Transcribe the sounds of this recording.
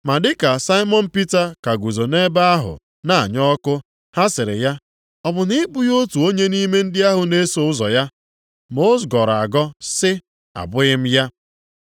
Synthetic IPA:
ma˨dɪ˦ka˨sa˦ɪ˦mɔ˦n̩˦pi˦ta˦ka˨ɡu˨zo˨ne˦ba˦a˦ɦʊ̰˨ | na˨ɲɔ˦kʊ˦ | ha˦sɪ˨ɾɪ̰˨ja˦ | ɔ˨bʊ˨nɪ˦bu˦jo˦tu˨o˦ɲe˦ni˦me˦n̩˦dɪ˦a˦ɦʊ˨ne˦so˦ʊ˦zɔ˨ja˦ | mo˦zɡɔ˨ɾa˨ɡɔ˦sɪ˦ | a̰˨bʊ˦ɣɪ˦m̩˦ja˦

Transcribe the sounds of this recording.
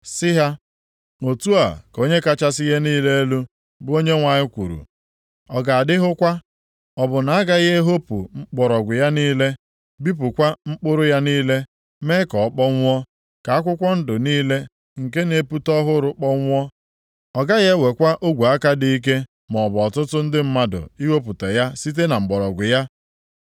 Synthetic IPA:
sɪ˦ɦa˦ | o˨tu˦a̰˨ko˦ɲe˦ka˦t͡ʃa˦sɪ˦je˦niː˦le˦e˦lu˦ | bʊ˦o˦ɲe˦ŋʷa˨ɲɪ˦kʷṵ˨ɾṵ˨ | ɔ˨ɡa˨a˨dɪ˦ɦʊ˦kʷa˦ | ɔ˨bʊ˨na˨a˦ɡa˦ɣe˦ɦo˦pṵ˨ŋ͡m̩˦k͡pɔ˨ɾɔ˨ɡʷʊ˨ja˦niː˦le˦ | bi˦p̬ʊ˨kʷa˦ŋ͡m̩˦k͡pʊ˦ɾʊ˦ja˦niː˦le˦ | me˦kɔ˨ɔ˦k͡pɔ˦ŋʷ˦ɔ˦ | ka˨a˦k̬ʷʊ˦kʷɔ˦n̩˦dʊ˨niː˦le˦ | ŋ̩˨ke˦ne˨pu˦tɔ˦ɦʊ˦ɾʊ˨k͡pɔ˦ŋʷ˦ɔ˦ | ɔ˨ɡa˦ɣe˦we˨kʷa˦ʔo˦ɡʷu˨a˦ka˦di˨i˦k̬e˦ | mɔ˨bɔ˨tʊ˦tʊ˦n̩˦dɪ˦m̩˦ma˦dʊ̰˨i˦we˦pʊ˨te˨ja˦si˦t̬e˦na˨ŋ͡m̩˨ɡ͡bɔ˨ɾɔ˨ɡʷʊ˨ja˦

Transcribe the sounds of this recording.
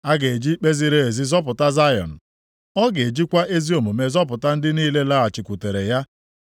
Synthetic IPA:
a˦ɡe˨e˨d͡ʒi˦k͡pe˦zi˦ɾe˦e˨zi˦zɔ˦p̬ʊ˨ta˦za˦jɔ̰˨n̩˨ | ɔ˦ɡe˨d͡ʒi˦kʷa˦ʔe˦zi˦o˨mu˨me˨zɔ˦p̬ʊ˨ta˦n̩˦dɪ˦niː˦le˦la˦a˨t͡ʃɪ˨kʷu˨te˨ɾe˨ja˦

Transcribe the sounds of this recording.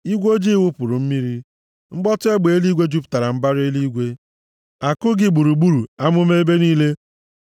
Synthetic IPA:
i˦ɡʷo˦d͡ʒi˦wu˦pʊ˨ɾʊ˨m̩˦mi˦ɾi˦ | ŋ͡m̩˦ɡ͡bɔ˦tʊ˦e˦ɡ͡be˨e˦li˦ɡʷe˦d͡ʒu˦pta˨ɾa˨m̩˦ba˦ɾe˦li˦ɡʷe˦ | a˨kʊ˦ɡɪ˦ɡ͡bu˨ɾu˨ɡ͡bu˦ɾu˨a˦mʊ˦me˦be˦niː˦le˦

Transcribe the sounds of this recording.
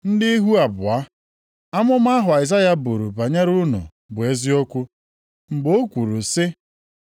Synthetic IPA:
n̩˦dɪ˦i˦ɦu˦a˨bʊ̰˨a˦ | a˦mʊ˦m˦a˦ɦʊ˨a˨ɪ˨za˦ja˦bu˨ɾu˨ba˨ɲa˦ɾʊ˦nʊ̰˨ | bʊ˨e˦zi˦o˦kʷu˦ | m̩˨ɡ͡bo˦kʷu˨ɾu˨sɪ˦

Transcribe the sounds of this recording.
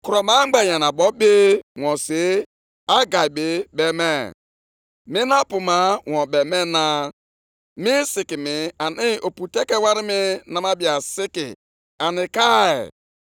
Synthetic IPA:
ku˨ɾɔ˨ma˦ɡ͡ba˨ja˨na˨bɔ˦be˦wɔ̃˨se˦ | a˦ɡa˨i˨be˨be˦me˦ | mi˦na˦pu˨ma˨˦wɔ̃˨be˨me˦na˦ | mi˦si˨ki˨mi˨a˨ni˦o˨pu˨te˦ke˦wa˦ɾi˦mi˦na˨ma˦bi˨a˨sɪ˦kḭ˨ | a˨nɪ˨ka˦ḛ˨

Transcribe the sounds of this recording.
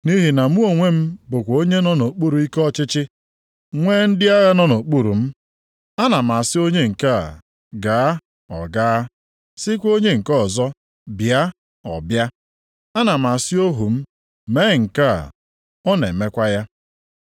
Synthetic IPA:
ni˦ɦi˨na˨mu˦o˨ŋʷe˦m̩˦bʊ˨kʷo˦ɲe˦nɔ˦no˨k͡pu˦ɾu˨i˦kɔ˦t͡ʃɪ˦t͡ʃɪ˦ | ŋʷeː˦n̩˦dɪ˦a˦ɣa˦nɔ˦no˨k͡pu˦ɾu˨m̩˦ | a˦na˨m˨a˨sɪ˦o˦ɲe˦ŋ̩˨ka̰˦˨ | ɡaː˨˦ | ɔ̰˨ɡaː˦ | sɪ˦kʷo˦ɲe˦ŋ̩˨kɔ˦˨zɔ˦ | bja˦ | ɔ̰˨bja˦ | a˦na˨m̩a˨sɪ˦o˦ɦu˨m̩˦ | me˦˨ŋ̩˨ka̰˦˨ | ɔ˦nḛ˨me˦kʷa˦ja˦

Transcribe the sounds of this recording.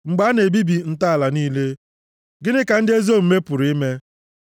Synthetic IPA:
ŋ͡m̩˨ɡ͡ba˨˦ne˨bi˦bi˨n̩˦ta˦a˨la˨niː˦le˦ | ɡɪ˦nɪ˦ka˨n̩˦dɪ˦e˦zo˦˨m̩˨me˦pʊ˨ɾi˦me˦

